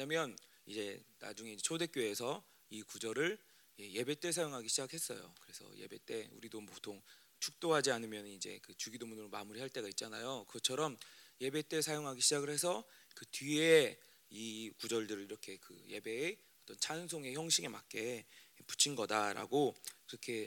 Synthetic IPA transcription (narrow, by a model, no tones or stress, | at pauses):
meɲamjʌn | id͡ʑe̞na̰d͡ʑuŋe̞id͡ʑet͡ɕʰode̞k͈joe̞sʰʌ | ikud͡ʑʌɾɯɭ | jeje̞be̞t͈e̞sʰajoŋɦaɡiɕʰid͡ʑakhe̞s͈ʌ̰jo̰kɯɾe̞sʰʌ̰je̞̰be̞t͈e̞ṵɾidompotʰoŋ | t͡ɕʰuk̚t͈oɦad͡ʑianɯmjʌnɯnid͡ʑe̞̰kɯt͡ɕuɡidomunɯɾomamuɾiɦaɭt͈e̞ɡait̚t͡ɕ͈ana̰jokɯɡʌt͡ɕʰʌɾʌmje̞be̞t͈e̞sʰajoŋɦaɡiɕʰid͡ʑaɡɯɭhe̞s̬ʰʌkɯtɥie̞ | ikud͡ʑʌɭdɯɾɯɭiɾʌkʰe̞kɯ̰je̞be̞ː | ʌt͈ʌnt͡ɕʰans̬ʰoŋe̞çjʌŋɕʰiŋe̞ma̰k̚k͈e̞pu̥t͡ɕʰinɡʌdaɾa̰ɡokiɾʌkʰe̞